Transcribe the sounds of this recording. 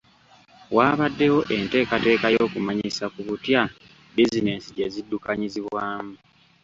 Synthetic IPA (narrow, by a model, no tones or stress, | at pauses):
waːβadːe̞wo̞ʔe̞nte̞ːkate̞ːkajo̞ːkumaɲisakuβutja | bizine̞siɟezidːukaɲiziβwaːmu